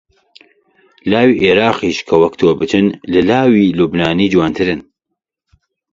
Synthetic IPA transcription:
laːwiːʔeɾaːqiʃkʰɐwɐkt̪ʰoːbɨt̪ʰɨnlɨlaːwiːluːbnaːniːd͡ʒwaːnt̪ʰɨɾɨn

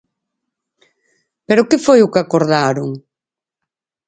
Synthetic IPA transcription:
peɾʊkɪfojʊkakoɾðaɾʊŋ

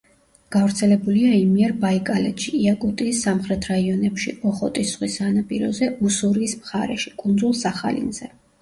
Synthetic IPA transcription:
ɡ̥avɾt̪sʰɛlɛbuliaimiɛɾbaikʼalɛt̪ʃiiakʼut̪ʼiːsːamχɾɛt̪ʰɾaiɔnɛpʃḭɔχɔt̪ʼisχwisanapʼiɾɔzɛusuɾiːsmχaɾɛʃi̥kʼund̪zulˠsaχa̰lḭnzɛ

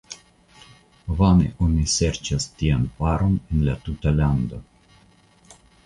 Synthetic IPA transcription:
vanḛʔonise̞ɾt͡ʃastianpaɾo̞nenlatutaland̪o̞

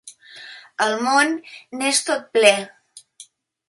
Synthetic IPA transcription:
əlˠmonːest̪ot̪̚plɛ

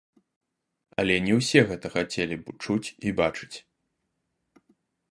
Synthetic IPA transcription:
ɐlʲɛnʲɛwsʲɛɣɛt̪ɐxat͡sʲelʲibɨt͡ʂut͡sʲibat͡ʂɨ̥t͡sʲ

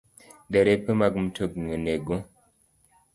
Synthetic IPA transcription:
dɛɾepəmaɡm̩tʰoɡŋəneɡo

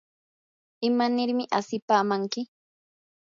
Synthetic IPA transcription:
ɪmanɪɾmɪʔasɪpaːmaŋkɪ

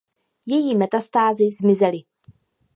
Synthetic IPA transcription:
jɛjiːmɛt̪ast̪aːzɪzmɪzɛlɪ

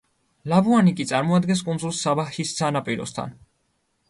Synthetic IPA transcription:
labuanikʼit̪sʼaɾmɔad̪ɡɛns̬kʼund̪zulˠsːabaxissʰanapʼiɾɔ̰st̪ʰa̰n

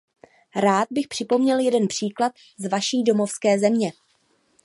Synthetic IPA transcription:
ɾaːt̪̚bɪxpr̝̥ɪpo̞mɲɛljɛdɛnpr̝̥iːklat̪ | zvaʃiːdo̞mo̞fskɛːzɛmɲɛ

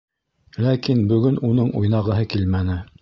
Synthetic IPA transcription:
lækinbɵ̆ɡɵnunɤɴʔujnɑʁɤ̆ɦɤkilmænɘ

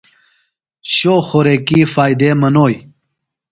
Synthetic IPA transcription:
ɕoːxoɾekiːfaːjd̪eːmɐnoːj

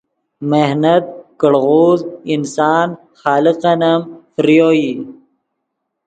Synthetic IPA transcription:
mehnɐt̪̚kəɽɣoːzɪnsɑːn | xɑːliqɐnɐmfɾijoːji

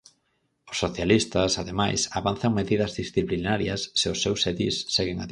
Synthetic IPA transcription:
ʊ̥sːoθjalist̪ɐsaðemajsaβanθɐŋmeðiðɐzðisθiplinaɾjɐsːeʊsːewseðisːeɣeŋað

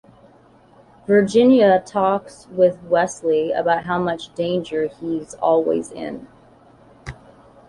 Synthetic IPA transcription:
və˞d͡ʒɪ̃njɨtʰɔkswɪðwɛsliɨ̰baʊt̚ɦaʊmʌt͡ʃd̥ẽɪ̃nd͡ʒə˞izɔ̰lˠwḭzɪ̰̃n

